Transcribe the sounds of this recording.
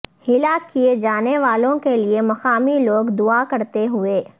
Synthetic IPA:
hɪlakied͡ʒaːneʋaːlõkeliemɐxaːmiloːɡd̪ʊakɐɾt̪eɦʊeː

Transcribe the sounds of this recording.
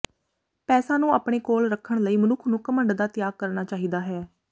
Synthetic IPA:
pɛːsaːnũːaːpɽ̃eːkoːlɾəkʰːəɳləiːmənʊkʰnũːkəməɳɖd̪aːt̪ɪjaːɡ̚kəɾnaːt͡ʃaːɦiːd̪aːɦɛː

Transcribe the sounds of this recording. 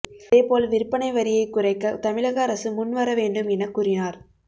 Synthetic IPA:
eːpoːlʋɪɾɯpːɐnɐɪʋɐɾɪjɐɪkːʊɾɐɪkːɐt̪ɐmɪɭɐɣɐːɾɐsɯmʊnːʋɐɾɐʋeːɳɖɯmɛnɐkːʊrɪnaːɾ

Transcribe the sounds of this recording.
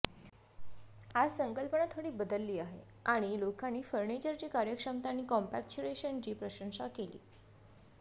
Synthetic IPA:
ad͡zsəŋkəlpənat̪ʰoɽiːbəd̪əlːiːaɦḛ | aɽ̃ilokanːiːfəɾɳet͡ɕəɾt͡ɕiːkaɾjəkʂəmt̪anːiːkɔmpæk̚t͡ɕuɾeɕənt͡ɕiːpɾəɕəŋsakelḭː

